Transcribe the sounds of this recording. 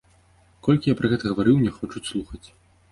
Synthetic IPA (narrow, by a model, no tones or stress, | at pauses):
kɔlʲkʲijapɾɐɣɛt̪ɐɣɐvaɾɨwnʲɛxɔt͡ʂuslˠuxɐt͡sʲ